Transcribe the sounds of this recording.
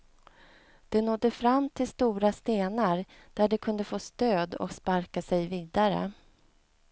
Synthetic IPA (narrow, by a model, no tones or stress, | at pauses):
d̪̥ɛnɔd̪ːəfɾamːt̪ʰɪlst̪uːɾast̪eːnaɾ | d̪̥æɖɛkʰɵnd̪əfoːst̪øːd̪ɔ̰kspaɾkasɛjviːd̪aɾə̰